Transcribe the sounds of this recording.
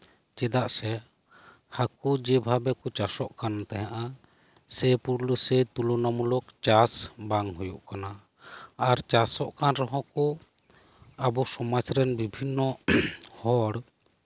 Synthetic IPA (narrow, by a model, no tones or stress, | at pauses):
t͡ʃɛd̪aʔsɛ | hakud͡ʒɛbʱabɛkɔt͡ʃasɔʔkant̪ɛɦaʔa | sɛpuɾlusɛt̪ulɔnamulukt͡ʃasbaŋɦujuʔkana | aɾt͡ʃasɔʔkanɾɔɦɔ̃kɔ | abɔsɔmat͡ʃɾɛnbibʱinːɔhɔɽ